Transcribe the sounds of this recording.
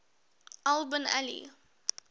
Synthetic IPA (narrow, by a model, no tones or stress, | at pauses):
ʔalˠbəna̰lḭ